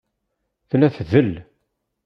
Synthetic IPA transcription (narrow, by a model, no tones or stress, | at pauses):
θlæθðəl